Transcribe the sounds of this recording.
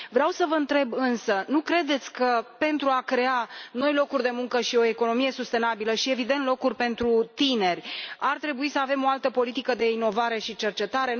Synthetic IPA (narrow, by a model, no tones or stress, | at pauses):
vɾeawsəvəɨnt̪ɾe̞bɨnsənukɾe̞d̪e̞t̪sʲkəpe̞nt̪ɾuakɾe̞ano̞jlo̞kurʲd̪e̞muŋkəʃio̞eko̞no̞mije̞sust̪e̞nabiləʃie̞vid̪e̞nt̪lo̞kurʲpe̞nt̪ɾut̪ine̞rʲart̪ɾe̞buisəave̞mo̞alt̪əpo̞lit̪ikəd̪e̞ino̞vaɾe̞ʃit͡ʃe̞rt͡ʃe̞t̪aɾe̞